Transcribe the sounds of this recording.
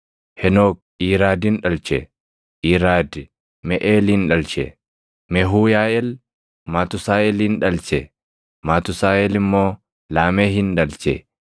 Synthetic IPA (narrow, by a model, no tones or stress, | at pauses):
hɛnoːk̚ | iːɾaːd̪ɪnᶑɐlt͡ʃɛ | ʔiːɾaːd̪ | mɛʔeːlɪnᶑɐlt͡ʃɛ | mɛɦuːjaːʔɛl | maːt̪ʊsaːʔɛlɪnᶑɐlt͡ʃɛ | maːt̪ʊsaːʔɛlɪmːo̞ː | laːmeːɦɪnᶑɐlt͡ʃɛ̰